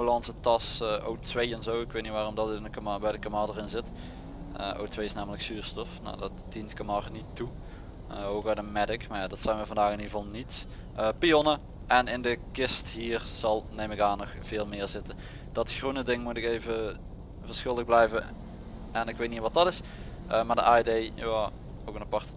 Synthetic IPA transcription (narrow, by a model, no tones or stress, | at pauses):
əlɑnsətɑso̰wtʋejɛnzowɪkʋejtnitʋaːrɔmdɑtɪnəkmabɛjdəkamadərɪnzɪt | əo̰wtʋejɪsnaːmələksyːɹstɔfna̰dɑtdintkəmɑrnitːu | əowkadəmɛdɪkmaɹjaːdɑtsɛjnʋəvɑndaːxɪniəvɑlˠnits | əpionə | ʔɛnɪndəkɪsthiːrz̥ɑlˠnejmɪkaːnːɔxv̥ɪːlˠmɪːɹzɪtə | d̥ɑtxrunədɪŋmutɪkeːjvə | vəɹsxɪlˠlək̚blɛjvə | ɛnɪkʋejtniʋɑt̚dɑtɪs | əmaːɹdəʔaːidejjaː | oːkənapɑɹtə̥